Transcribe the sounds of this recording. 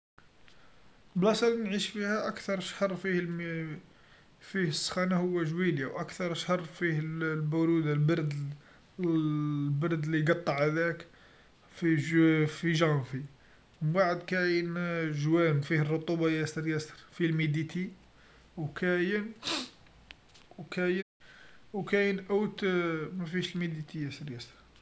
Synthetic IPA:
blɑsɑlnʕiʃfihæʔækt̪ɑɾˤʃhɑrˤːfihl | fihəsːxænahʊwːæʒwiljawʔəkt̪ɑɾˤəʃhɑrˤːfihəlbʊɾud̪albɑɾd̪ | bɑɾˤd̪liɡɑt̪ˤːɑʕad̪æk | fiʒfiʒɑnfi | baʕəd̪kæjənʒwænfihərˤːʊt̪ˤubɑjæsəɾjæsəɾfilmid̪it̪ʰi | wkʰæjən | wkʰæjənwkæjənʔət̪mæfiʃlmid̪it̪ijæsəɾjæsə̥ɾ

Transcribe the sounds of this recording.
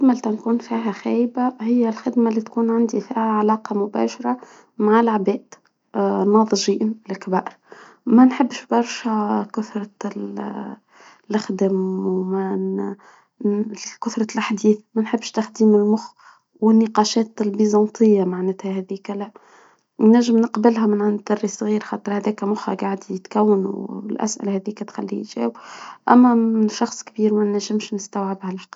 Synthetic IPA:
ɪd̪mælt̪ænkuːnfiːɦæxæːjbahɪjːælxɪd̪malːiːt̪kuːnʕand̪ifihaʕalɑːqɑmʊbæ̰ːʃɾˤɑ | maʕɪlaʕbɛːd̪ | nːɑːðˤʒiːʔnlɪkbɑːʔɾˤ | mænħəbːʃbɑɾˤʃækʊθɾˤɑ | lʔɪxd̪əmwmæ | kʊθɾˤɑlħd̪iːθmænħɪbːʃt̪axd̪iːmɪlmʊx | wɪnːəqɑːʃɛːt̪lbizɑnt̪əjːamaʕnæːt̪hæhɛːðiːkælæʔ | næʒːɪmnəqbɪlɦæmɪnʕand̪d̪ɑrːisˤɣiːɾxɑːt̪ˤɨɾˤhɛðɛːkæmʊxa̰ɡaʕd̪ijɪt̪kæwːanulʔæ̰sʔɪ̰lahɛðiːkæt̪xalːḭt̪ʒɛ̰ːwʔæ̰mːæɪnʃɑxsˤkbiːɾmænːæʒːɪmʃnɪst̪awʕɪbhælħqː

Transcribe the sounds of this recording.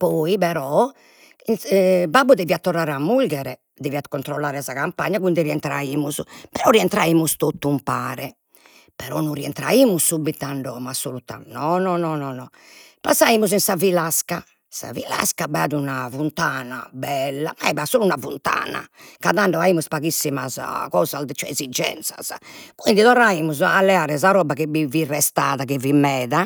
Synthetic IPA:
pɔːipɛɾɔ | nbabːud̪eviat̪ːɔrːaːɾamːulɡɛɾɛ | d̪eviat̪kɔnt̪ɾɔlːaːɾɛasakampaɲːakund̪iɾiɛnt̪ɾa̰iːmuzpɛɾɔrːiɛnt̪ɾaimust̪ot̪ːumpaːɾɛ | pɛɾɔnuriɛnt̪ɾaiːmusːubːit̪ːaɳɖɔmasolut̪ːa̰nɔnɔnɔnɔnɔ | pasːaiːmuzinsavilaska | sa̰vila̰skabɛa̰ːd̪unavunt̪aːna̰bɛlːa̰maɛbɛasoːlunavunt̪a̰ːna̰kaðaɳɖɔaiːmuspaɣisːimaza̰kɔːzald̪ɛt͡ʃɔezid͡ʒɛ̰nt̪sa̰z̥akwind̪iðɔrːaimuzalːɛaːɾɛzaɾɔːbakibivirɛst̪aːðakivimːɛːða

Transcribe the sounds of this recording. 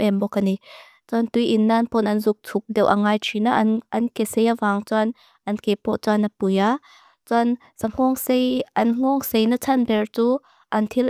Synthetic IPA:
ʔɛmbɔkɐni | t͡sɔnt̪ujʔinːaːnpɔnɐnzuk̚t͡sʰuk̚dɛwʔa̰ŋaːjt͡ʃʰinaʔnɐnkesejavaːŋt͡sɔan | ʔɐnkepɔʔt͡sanapuja | t͡sɔn | saŋ̥ɔŋsejʔɐnŋ̥ɔŋsejnat͡sʰɐnbɛrt͡suː | ʔɐnt̪ʰil

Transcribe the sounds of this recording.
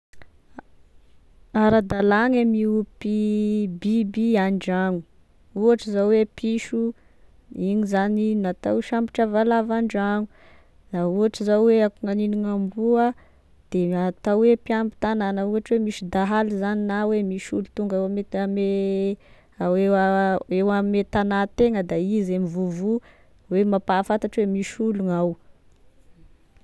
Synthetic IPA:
aɾad̪alaŋamiupibibiaɳɖ͡ʐaŋu̥ | uaʈ͡ʂəzawwepʰiʃu | iɲizaninat̪awʃambi̥ʈ͡ʂavalavaɳɖ͡ʐaŋu | nauaʈ͡ʂizawweakuŋaniniŋambuə | d̪̥eat̪awwepiambi̥t̪ananauɦaʈ͡ʂwemisid̪aɦaluzaninawemiʃulut̪uŋɡewameame | aweewamet̪anat̪eŋəd̪aizamivuvu | wemapafat̪aʈ͡ʂwemiʃuluŋaw

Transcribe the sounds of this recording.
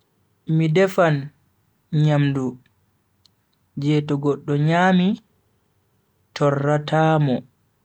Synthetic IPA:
midɛfan | ɲamdu | d͡ʒɛːtɔɡɔɗːɔɲaːmi | tʰɔrːatʰaːmɔ

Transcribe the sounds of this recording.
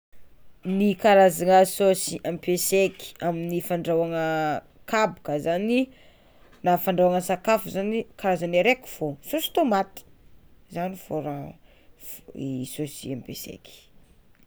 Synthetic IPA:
nikaɾazaŋəsosiʔãmpeseki̥aminifaɳɖ͡ʐawaŋə | kʰabukəzani | nafaɳɖ͡ʐawaŋəsakafuzanikaɾazaneɾeku̥v̥osusi̥t̪omat̪i̥zanifoɾa | isosḭampesḛki̥

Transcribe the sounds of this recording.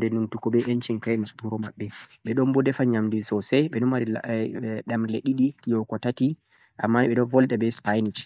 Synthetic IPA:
dɛnuntukɔbɛʔent͡ʃiŋkajnasbuɾɔmaɓːɛɓɛɗɔnbɔdɛfaɲamdisɔsɛjɓɛnɔmaɾi | ɗamleɗiɗijɔkɔtati | ʔa̰mːaɓɛɗɔnvɔldɛbɛspajnit͡ʃ

